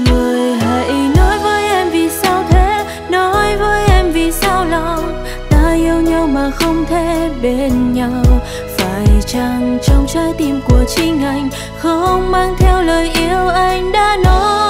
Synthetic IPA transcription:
ŋɨ˨˩əjɦa̰˧˩jʔnɔ˨˦jvəː˨˦jʔɛ˧mvi˨˩sa˧wt̪ʰe˧˦ | nɔ˨˦jvəː˨˦jʔɛ˧mvi˨˩sa˧wlɔ˨w | t̪aː˧ʔi˧əwɲa˧wmaː˨˩xə˧wŋ͡mt̪ʰe˧˩ɓe˧nɲa˧ww | faː˧˩jt͡ɕa˧˩ŋt͡ɕɔ˧wŋ͡mt͡ɕaː˨˧˦jt̪i˨˩mku˨˩ət͡ɕi˧ŋ̟ʔa˨˩jŋ̟ | xə˧ŋ͡mmaː˧ŋt̪ʰɛ˧wləː˨˩jʔi˧əwʔa˧jŋ̟ɗa̰ː˧˥nɔ˨˦j

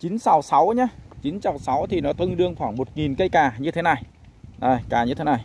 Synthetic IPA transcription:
t͡ɕi˨˦nsa˨˦wsa˨˦wɲaː˧t͡ɕi˨˦nsa˨˩wsa˨˦wt̪ʰi˨˩nɔ˨˦t̪ə˧ŋɗɨ˧əŋxwaː˧˩ŋmo˨˩t̚ŋi˨˩nkə˧jkaː˨˩ɲɨ˧t̪ʰe˨˦na˨˩j | ʔəː˨˩jkaː˨˩ɲɨ˧t̪ʰe˨˦na˨˩j

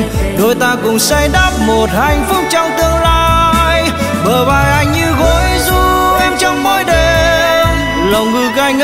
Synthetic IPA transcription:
ɗo˧˩jt̪aː˧kʊ˨˩ŋ͡msa˧jɗaː˦˥p̚mo˨˩t̚ha˨˧˩jŋ̟fʊ˦˥k͡p̚t͡ɕɔ˧wŋ͡mt̪ɨ˧əŋlaː˧j | ɓəː˨˩ɓaː˨˩jʔa˧˩jŋɲɨ˧ɣo˨˦jzu˧˦ʔɛ˧mt͡ɕɔ˧wŋ͡mmɔː˨˦jɗe˨m | lə˨˩wŋ͡mŋɨ˨˩jɣa˧jŋ̟

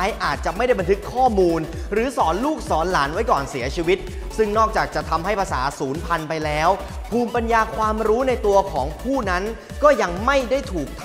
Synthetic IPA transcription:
jʔaː˨˩t̪̚t͡ɕa˨˩ma˥˩jɾa˥˩jba˧nt̪ʰɯ˦˥kʰːɔː˥˩muː˧n | ɾɯː˩˦sɔː˩˦nluː˥˩k̚sɔː˩˦nlaː˩˦nwa˦˥jkɔː˨˩nsi˩˦ɐt͡ɕʰiː˧wi˦˥t̪̚ | sɯ˥˩ŋnɔː˥˩k̚t͡ɕaː˨˩k̚t͡ɕa˨˩t̪ʰa˧mɦa˥˩jpʰa˧sa̰ː˩˦suː˩˦npʰa˧npa˧jlɛː˦˥w | pʰuː˧mpa˧njaː˧kʰwaː˧mɾuː˦˥na˧jt̪u˧ɐkʰɔː˩˦ŋpʰuː˥˩na˦˥n | kɔː˥˩ja˧ŋma˥˩jda˥˩jt̪ʰuː˨˩k̚t̪ʰ

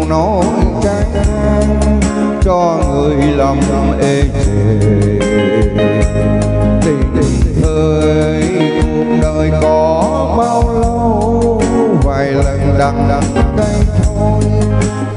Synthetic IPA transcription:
nɔ˨˦t͡ɕaː˧˦ŋʔaː˧ŋ | t͡ɕɔ˧ŋɨ˨˩əjlaː˨˩m˨˩mʔe˧t͡ɕe˨˩ | ɗe˧˨˩ɗ̪i˨˩ŋʔəː˨˧˩ | jj | ku˨˩ək̚ɗəː˨˩jkɔ˨˦ | ɓaː˧wlo˧ww | vaː˨˩jlə˨˩nɗaː˧˩ŋɗa˨˦ŋka˧jŋt̪ʰo˧j

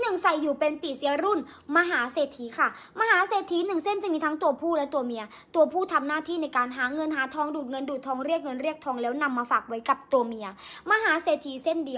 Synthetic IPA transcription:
nɯ˨˩ŋsa˨˩jːuː˨˩pe˧npi˨˩si˨˦ɐɾu˥˩nma˧ɦaː˩˦seː˨˩t̪ʰːiː˨˦kʰa˥˩ | maː˧ɦaː˨˦seː˨˩t̪ʰːiː˨˦nɯ˨˩ŋse˥˩nt͡ɕa˨˩miː˧t̪ʰaː˦˥ŋt̪u˧ɐpʰuː˥˩lɛː˦˥t̪u˧ɐmi˧ɐ | t̪u˧ɐpʰuː˥˩t̪ʰa˧mnaː˥˩t̪ʰiː˥˩na˧˥jkaː˧nɦaː˩˦ŋɤ˧nɦaː˩˦t̪ʰɔː˦˥ŋduː˨˩t̪̚ŋɤ˧nduː˨˩t̪ʰːɔː˧ŋɾi˥˩ək̚ŋɤ˧nɾi˥˩ək̚t̪ʰɔː˧ŋlɛː˦˥wna˧mːaː˧faː˨˩k̚wa˦˥jka˨˩p̚t̪uː˧mi˧ɐmaː˧ɦaː˩˦seː˨˩t̪ʰːiː˧˦se˥˩ndi˧ə

